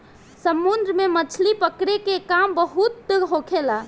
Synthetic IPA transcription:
səmːund̪ɾəmemət͡ʃʰlipəkɾekekambəɦut̪̚ːelɦokʰela

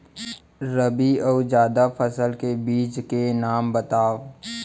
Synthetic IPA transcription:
ɾəbiɔwd͡ʒjaːd̪apʰəsəlkebiːt͡ʃkenaːmbət̪aːʋ

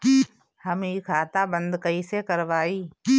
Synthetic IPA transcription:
hɐmiːkʰaːt̪abə̃nd̪kəisekəɾʋaːiː

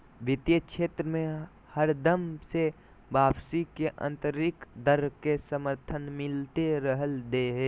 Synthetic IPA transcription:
ʋɪt̪jəʃʰeːt̪ɾəmẽ | həɾd̪əmse | baːbsikeʔə̰̃nt̪əɾɪkd̪əɾkesəməɾt̪ʰənmɪlt̪eɾəɦəld̪eɦeː

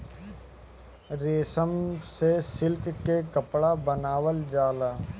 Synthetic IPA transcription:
ɾeːsəmsesɪlkkekəpɽabənaːwəld͡ʒaːlaː

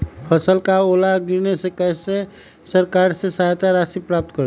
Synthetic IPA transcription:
pʰəsəlkaoːlaɡɪɾnesekɛːse | səɾkaːɾsesaːɦt̪aɾaːʃipɾaːp̚t̪kəɾ

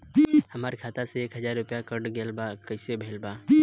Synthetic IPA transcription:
hɐmaːɾikʰaːt̪aseeːkɦəzaːɾːʊpjakəɾɖɡeːlbaːkɐsebʱeːlbaː

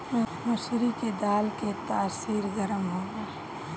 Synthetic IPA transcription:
m | mɪsɾiked̪aːlket̪aːsiːɾɡəɾəmɦoːɡaː

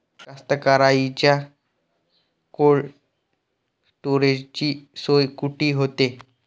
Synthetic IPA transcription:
kast̪əkaɾait͡ɕja | koɭ | sʈoɾed͡ʑt͡ɕiːsojkuʈiːɦot̪e

